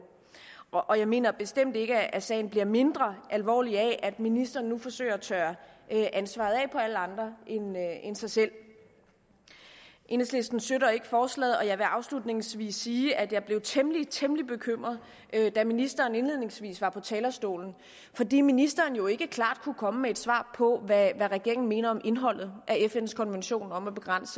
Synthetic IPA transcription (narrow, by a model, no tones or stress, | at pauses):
ʔɒ̽jɑ̈ɪme̝̰ːnɐb̥e̝sd̥em̰d̥e̝ɡ̥əæsɛ̰ːɪn̩b̥liɐme̝nd̥ʁɐʔælʋɒ̰ːliɛʔæd̥minisd̥ɐːnːufɒ̽sø̰ːɐt͡sʰœːɐʔʔænsʋɑ̈ð̞̩ˠɛ̰ːpʰɒ̽æləɑ̈nd̥ʁɐʔenensɑ̈ɪsel̰ | ʔe̝nesle̝sd̥n̩søɾɐe̝ɡ̥əfɒːslɛ̰ð̩ˠɒ̽jɑ̈ɪʋe̝ʔɑ̈ʊslud̥ne̝ŋsʋḭːsːiːʔæd̥jɑ̈b̥le̝ʊt͡sʰeməlit͡sʰeməlib̥e̝kʰøm̰ʁɐðˠ | ʔød̥æminisd̥ɐːne̝nle̝ð̰ˠne̝ŋsʋḭːsʋɑ̈pʰɒ̽t͡sʰɛːlɐsd̥o̝̰ːln̩ | fɒ̽d̥ḭːminisd̥ɐːnjo̝e̝ɡ̥əkʰlɑ̰̈ːd̥̚kʰukʰɒ̽məmee̝d̥sʋɑ̰̈ːpʰɒ̽ʋæʋæʁɛɡ̥e̝ɐ̰ɪŋn̩me̝ːnɐɒ̽mʔe̝nɦɒ̽l̰ð̞̩ˠʔæefenskʰɒ̽nʋenɕo̝̰ːnɒ̽mæb̥e̝ɡ̥ʁan̰sə